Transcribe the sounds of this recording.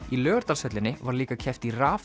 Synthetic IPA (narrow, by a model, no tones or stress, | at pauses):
ilœːɣʏɾt̪alsœt̪lɪnːɪvaɾliːkacʰɛft̪iraːf